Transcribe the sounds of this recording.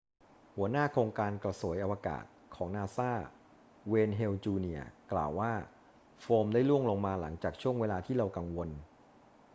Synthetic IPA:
hu˨˩˦ənaː˥˩kʰoː˧ŋkaː˧nkɾa˧su˩˦jʔa˧waː˧ka̰ː˨˩t̪̚kʰɔː˩˦ŋnaː˧saː˥˩ | weː˧nɦe˧wt͡ɕuː˧ni˧˩ɐkla̰ː˨˩wːaː˥˩ | foː˧mdaː˥˩jlu˥˩əŋloː˧ŋmaː˧la̰˩˦ŋt͡ɕaː˨˩k̚t͡ɕʰu˥˩əŋweː˧laː˧t̪ʰiː˥˩ɾa˧wka˧ŋwo˧n

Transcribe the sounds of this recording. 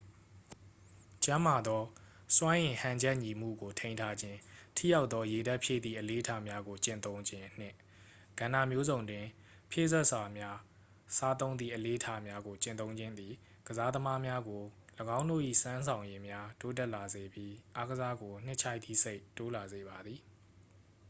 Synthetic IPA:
t͡ɕã˦ma˨d̪ɔ˦ | swã˦ʔɪ̃˨hã˨ɲd͡ʑɛ˦ʔɲi˨m̥ṵ˦˨ɡo˨tʰẽ˦ɪ̃ntʰa˦d͡ʑɪ̃˦tʰḭ˦˨ja˦ʊt̪ːɔ˦je˨dɛ˦ʔpʰjḛ˦˨d̪ḭ˦˨ʔəle˨˦ʔətʰa˦mja˦ɡo˨t͡ɕɪ̰̃˦˨nt̪õ˦ʊ̃ɲd͡ʑɪ̃˦n̥ɪ̰̃˦˨ | ɡ̥ã˨nda̰˦˨mjo˦zõ˨ʊ̃ndwɪ̃˨ | pʰjḛ˦˨zɛ˦ʔsa˨mja˦ | sa˦t̪̬õ˦ʊ̃nd̪ðḭ˦˨ʔəle˨˦ʔətʰa˦mja˦ɡo˨t͡ɕɪ̃˦˨nt̪õ˦ʊ̃ɲd͡ʑɪ̃˦nd̪i˨ | ɡ̥əza˦d̪əma˦mja˦ɡo˨ləɡã˦ʊ̃ndo̰˦˨ʔḭ˦˨sã˦ns̬ʰã˨ʊ̃je˦mja˦to˦t̬ɛ˦ʔla˨ze˨bji˦ʔa˦ɡəza˦ɡo˨n̥ɪ̰̃˦ʔt͡ɕʰa˦ɪt̪̚ːi˦˨se˦ɪʔtːo˦la˨ze˨ba˨d̪ði˨

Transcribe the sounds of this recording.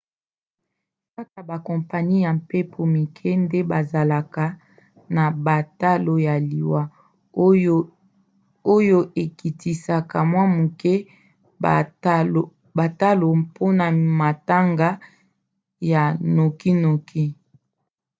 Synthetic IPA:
ka˦ka˨ba˨kɔ˨mpa˨ɲi˦ja˨mpe˦pʰo˨mi˨kʰɛ˦nde˦ba˨za˨la˨ka˨ | na˨ba˨ta˦lo˦ja˨li˨wa˦ | o˦jo˦ʔe˨ki˨ti˨sa˨ka˨mwa˦mu˨kɛ˦ | ba˨ta˦lo˨pʰo˦na˨ma˨ta˦ŋɡa˦ | ja˨no˨ki˦no˨kʰi˦

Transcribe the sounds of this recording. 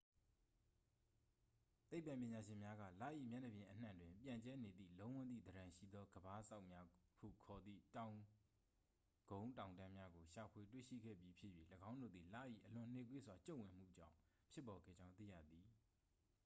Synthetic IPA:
t̪e˦ɪ˨pːã˨pjɪ̃˨ɲa˨ʃɪ̃˨mja˦ɡä̰˦˨la̰˦˨ʔḭ˦˨mja˦˨nə˨bjɪ̃˨ʔən̥ã̰˨ndwɪ̃˨mpjã˨ɲt͡ɕɛ˦ne˨d̪ḭ˦˨lõ˦ʊ̃wʊ̃˦˨d̪ðḭ˦˨d̪əɾã˨ʃḭ˦˨d̪ɔ˦ɡəba˦sa˦ʊʔmja˦hṵ˦˨kʰɔ˨d̪ðḭ˦˨tã˨ʊ̃ | ɡ̥õ˦ʊ̃tã˨ʊ̃ndã˦mja˦ɡo˨ʃa˨pʰwe˨t̬wḛ˦˨ʃḭ˦˨ɡɛ̰˦˨bji˦pʰjɪ˦ʔji˦˨ləɡã˦ʊ̃ndo̰˦˨d̪ði˨la̰˦˨ʔḭ˦˨ʔəlʊ̃˨n̥e˦˨kwḛ˦˨swa˨t͡ɕõ˦˨wɪ̃˨m̥ṵ˦˨d͡ʑã̰˦˨ʊ̃ | pʰjɪ˦pːɔ˨ɡɛ̰˦˨d͡ʑã˦ʊ̃t̪ḭ˦˨jä̰˦˨d̪ði˨

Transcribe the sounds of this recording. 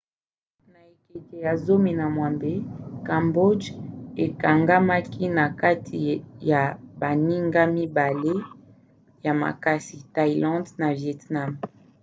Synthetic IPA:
na˨e˨ke˨ke˨ja˨zo˦mi˨na˨mwa˨mbe˦kã˨mbo˦de˨ka˨ŋɡa˦ma˦ki˦na˨ka˦tʰi˨ja˨ba˨ni˦ŋɡa˦mi˦ba˨le˦ | ja˨ma̰˨ka˦si˨ta˦i˨lɑ̃˦dna˨vjɛ˨tna˦˨m

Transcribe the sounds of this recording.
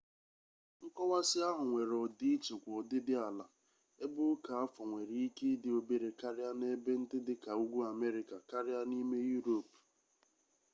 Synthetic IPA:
ŋ̩˦kɔ˦wa˦sɪ˦a˦ɦʊ˨ŋʷe˨ɾɔ˨di˦i˦t͡ʃe˨kʷɔ˨dɪ˦dɪ˦a˨la˨ | e˦bʊ˦ka˨a˦fɔ˨ŋʷe˨ɾi˦i˦ke˦dɪ˨o˨be˨ɾe˨ka˦ɾɪ˦a˦ne˦be˦n̩˦dɪ˦dɪ˦ka˨u˦ɡʷu˦a˨me˦ɾɪ˨ka˨ka˦ɾɪ˦a˦ni˦me˦ju˦ɾo˨p

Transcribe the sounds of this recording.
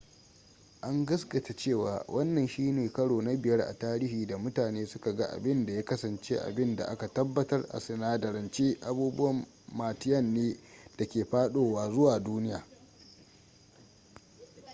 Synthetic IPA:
ʔa˦ŋɡɐ˦sɡɐ˨ta˨t͡ʃeː˦˨wa̰ː˨wʔɐ˦nːɐ˨nʃiː˦neː˨kɐ˦ɽoː˨na˦bɪ˨jɐ˦rʔa̰˨taː˦ɾiː˦hiː˨da˨mʊ˦taː˨neː˦sʊ˦ka˨ɡa˦ʔa̰˨bɪ˦nda˨jaː˦kɐ˦sɐ˨nt͡ʃeː˦ʔa̰˨bɪ˦nda̰˨ʔa˦ka˨tɐ˦bːɐ˦tɐ˦rʔa̰˨sɪ˨naː˦dɐ˨ɾɐ˨nt͡ʃeː˦ʔa˨buː˦bʊ˦wɐ˨mː | aː˨tɪ˦jɐ˦nːeː˦d̥a˨kʲeː˨ɸaː˦ɗoː˦waː˨zʊ˦waː˨duː˦nɪ˦jaː˨

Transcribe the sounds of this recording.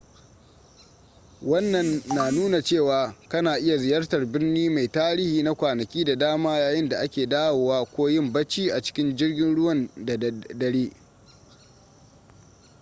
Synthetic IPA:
wɐ˦nːɐ˨nːa˨nuː˦na˨t͡ʃeː˦˨waː˨kɐ˦naː˨ʔɪ˦ja˨zɪ˨jɐ˦rtɐ˨rbɪ˦rniː˦ma˨jtaː˦ɾiː˦hiː˨na˦kʷaː˨nɐ˨kʲiː˦da˨daː˦maː˦jaː˨jɪ˦nda˨ʔa˦kʲeː˨daː˦woː˨waː˦kʷoː˦jɪ˦˨mbɐ˦t͡ʃiː˦ʔa˨t͡ʃɪ̥˦kʲɪ˦nd͡ʒɪ˦rɡʲɪ˦nɽʊ˦wɐ˨nda˨dɐ˦ɽeː˦

